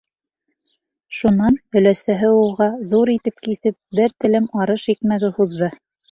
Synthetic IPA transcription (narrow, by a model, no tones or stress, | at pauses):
ʃunːɑnhɵ̆læsæɦɘulˠʁɑðuɾit̪ɘp̚kiθɘp̚bɘɾt̪ɘ̆lɘmɑɾɤʃik̪mæðɘhuðːɤ